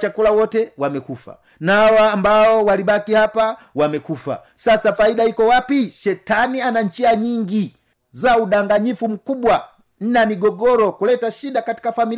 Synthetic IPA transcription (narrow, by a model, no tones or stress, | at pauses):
t͡ʃakulawɔtɛwamɛkufa̰ | naawaːmbaɔwalibakihapa | wamɛkufa̰ | sasafaiɗaikɔwapiʃɛtanianaɲt͡ʃiaɲiŋɡi | zauɗaŋɡaɲifum̩kubwa | n̩namiɡɔɡɔɾɔkulɛtaʃidakati̥kafamil